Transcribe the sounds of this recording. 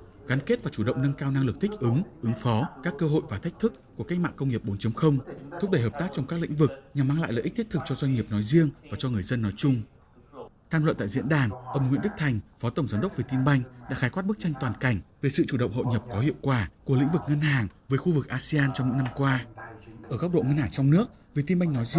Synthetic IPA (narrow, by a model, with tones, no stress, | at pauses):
ɣaː˨˦nke˦˥t̚vaː˨˩t͡ɕu˧˩ɗə̰˧˨ŋ͡mnə˧nkaː˧wna˧ŋlɨ˨˩k̚t̪ʰi˦˥k̟̚ʔɨ˨˦ŋʔɨ˨˦ŋfɔ˨˦kaː˦˥kːəː˧ɦo̰˧˨jvaː˨˩t̪ʰjk̚t̪ʰɨ˦˥k̚kːu˧˩əka˦˥k̟̚ma̰ː˧˨kə˧wŋ͡mŋi˨˩əp̚ɓo˨˦nt͡ɕə˨˦mxə˧wŋ͡mt̪ʰʊ˦˥k͡p̚ɗə˧˩jɦəː˨˩p̚t̪aː˦˥k̚t͡ɕɔ˧wŋ͡mkaː˦˥k̚l̰ḭ˧˥ŋ̟vɨ˨˩k̚ɲa˨˩mːaː˧ŋla̰ː˧˨lə̰ː˧˨ʔ̚t̪ʰi˦˥t̪̚ʰk̚t͡ɕɔ˧zwa˧jŋ̟ŋi˨˩əp̚nɔ˨˦jzi˧əŋvaː˨˩t͡ɕɔ˧ŋɨ˨˩əjzə˧nːɔ˨˦jt͡ɕʊ˧ŋ͡m | t̪ʰaː˧mlə̰˧˨nt̪a̰ː˧˨jzḭ˧˥ənɗaː˨˩nʔə˧˩wŋ͡mŋḭ˧˨ənɗɨ˦˥k̚t̪ʰa˨˩jŋ̟fɔ˨˦t̪ə˨˩wŋ͡mzaː˨˦mɗə˦˥wk͡p̚ve˨˩jt̪i˧mɓa˧jŋ̟ɗa̰ː˧˥xaː˨˦jkwaː˦˥t̚ɓk̚t͡ɕa˧jŋ̟t̪waː˨˩nka˨˧˩jŋ̟ve˨˩sɨ̰˧˨t͡ɕu˧˩ɗə̰˧˨wŋ͡mho̰˧˨ɲə˨˩p̚kɔ˨˦hḭ˧˨əwkwaː˧˩ku˧˩l̰ḭ˧˥ŋ̟vɨ˨˩k̚ŋə˧nhaː˨˩ŋvəː˨˦jxu˧vɨ˨˩k̚ʔaː˧si˧aː˧nt͡ɕɔ˧wŋ͡mɲḭ˧˥na˧mkwaː˧ʔəː˧˩ka˦˥k͡p̚ɗo̰˧˨ŋə˧nhaː˧˩t͡ɕɔ˧wŋ͡mnɨ˦˥ək̚ | vi˨˩t̪i˧mɓa˧jŋ̟nɔ˨˦jz